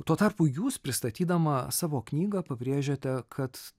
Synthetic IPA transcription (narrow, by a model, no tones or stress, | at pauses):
t̪uɔt̪ɐrpʊjuːspʲɾʲɪst̪ɐt̪ʲiːd̪ɐmɐsɑːʋoːknʲiːɡɐpɐbʲɾʲeːʒʲoːt̪ʲɛkʰɐt̪